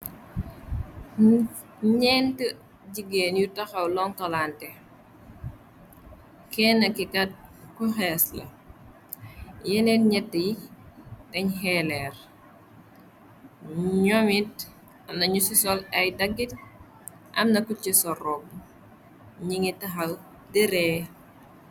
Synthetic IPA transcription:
ɲɛːntə | ɟiɡeːnjutɐxɐwlɔŋtɐlaːntɛ | kɛːnːɐkikɐt̚kuxɛslɐ̰ | jɛnɛtɲɛtːəji | tɐɲɦɛlɛːr | ɲɔmit̚ | ɐmnɐɲusisɔlɐjdɐɡːit | ʔɐ̰mnɐkut͡ʃisɔrɔb | ɲiŋitɐxɐw | diɾɛː

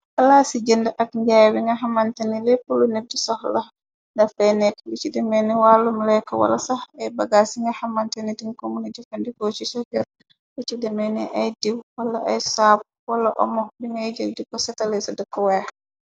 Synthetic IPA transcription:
ʔalasid͡ʒəndɛʔak̚ɲd͡ʒajwiŋɡaɦamantanilɛpulunedːisɔhla | ndafɛnɛklit͡ʃidɛmɛniwaːlumlɛkɔwa̰la̰sahɛjbaɡasiŋɡahamantanitiŋkomunid͡ʒɔfandikot͡ʃisɔhɡɛɾ | lit͡ʃidɛmɛniʔajdiwwalːaʔa̰jsab̚ | walaʔɔ̰mɔbiŋɡad͡ʒəldikɔsɛtalɛsɔdɛkːɔwɛ

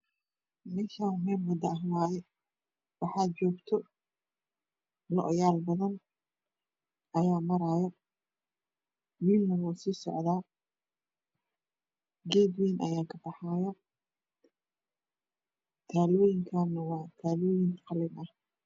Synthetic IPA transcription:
mɛːʃaːʊmɛːmwɐd̪ɐɐɦwaːjɛ | wɑħaːd̪̚t͡ʃɔːɡt̪ʰɔ | lɔʔɔjaːlbɐðɐn | ɐjaːmɐɾaːjɔ | wilnɐwɔːsiːsɔ̰ʕðaː | ɡɛːd̪wɛːnʔɐ̰jaːkʰɐbɑħaːjɔ | t̪ʰaːlɔːjɪŋkʰaːnɐwɑːt̪ʰaːlɔːjɪnqɑlɪnʔɐh

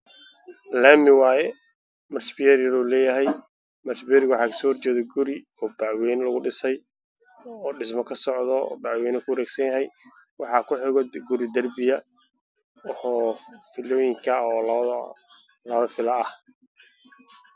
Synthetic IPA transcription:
laːmɪwɑːjɛ | mɐrt͡ʃbɪjɛɾjɐðɔːlɛːjɐɦɛj | mɐrt͡ʃbɪjɛɾɪɡwɑħɑːkʰɐ̥sɔːhɔrt͡ʃɛːðɛɡʊɾɪ | ɔːbɑʕwɛːnlɐɣʊɖɪsɛj | ɔːɖɪsmɔkʰɐsɔʕðɔ̰bɑʕwɛːnɐkʰʊwɐɾɛːɡsɐnjɐɦɛj | wɑħɑːkʰʊħɪɣɔɡʊɾɪd̪ɐrbɪjɐ | fɪlɔːjɪŋkʰɐɔːl | lɐɐfɪlɐːh

